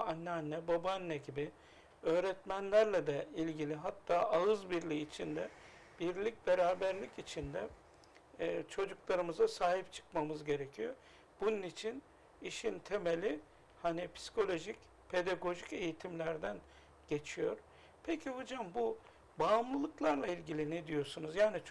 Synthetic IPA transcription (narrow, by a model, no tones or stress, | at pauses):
anːɛanːɛbobanːɛɟibɪ | ø̞ːɾɛt̪mænlʲæɾlʲɛd̪ɛilʲɟilʲiɦat̪ʰːaːʔaɯzbiɾlʲiːt͡ʃʰind̪ɛ | b̥iɾlʲic̚be̞ɾaːbæɾlʲicit͡ʃʰind̪ɛ | t͡ʃʰo̞d͡ʒuklˠaɾɯmɯzasaːɦip̚t͡ʃʰɯ̥kmamɯzɟe̞ɾecʰijo | b̥ununit͡ʃʰin | iʃint̪ʰe̞melʲi | hanipʰi̥si̥kʰo̞lʲo̞ʒic | pʰe̞d̪aɡo̞ʒice̞jit̪ʰimlʲæɾd̪æn | ɟe̞t͡ʃʰijo̞ɾ | pʰecʰihod͡ʒambu | bamlˠɯlˠɯklˠaɾlˠailʲɟilʲinɛd̪ijo̞ɾsunuzjaːni